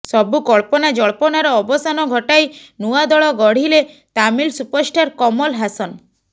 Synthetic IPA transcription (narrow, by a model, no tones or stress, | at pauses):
sɔbukɔɭpɔnad͡ʒɔɭpɔnaɾɔːbɔsanɔɡʱɔʈajnuad̪ɔɭɔɡɔɽ̤ile | t̪amilsupɔɾsʈaɾkɔmɔlɦasɔn